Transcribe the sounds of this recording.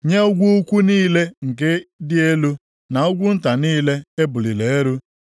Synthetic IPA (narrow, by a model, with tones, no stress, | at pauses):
ɲe˦ʊ˦ɡʷu˦kʷu˦niː˦le˦ŋ̩˨k̬e˦dɪ˦e˦lu˦ | na˨ʊ˦ɡʷʊ˦n̩˦ta˨niː˦le˦e˦bʊ˨li˨le˨e˦ɾu˦